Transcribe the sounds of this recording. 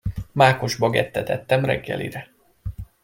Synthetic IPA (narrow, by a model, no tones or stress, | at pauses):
maːko̞ʒbɒɡɛt̪ːɛt̪ɛt̪ːɛmrɛ̰ɡːɛ̰lḭɾɛ